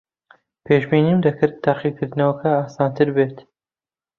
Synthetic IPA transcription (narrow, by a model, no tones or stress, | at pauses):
pʰeːʃbiːniːmd̪ɐkʰɨɾt̪ʰːaːqikʰɨɾd̪ɨnɐwɐkʰɐaːsɑːnt̪ʰɨɾbet̪